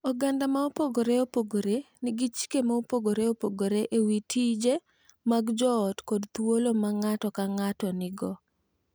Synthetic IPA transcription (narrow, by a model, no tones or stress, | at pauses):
oɡandamaopoɡoɾeopoɡoɾenɪɡit͡ʃi̥kemaopoɡoɾeopoɡoɾeʔewitʰid͡ʒe | maɡd͡ʒɔːtkɔdt̪wolomaŋatɔkaŋatɔnɪɡɔ